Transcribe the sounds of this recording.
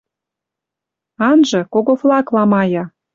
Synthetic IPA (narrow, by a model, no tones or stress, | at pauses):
ɑnʒɤ̆koɣoflɑklɑmɑjɑ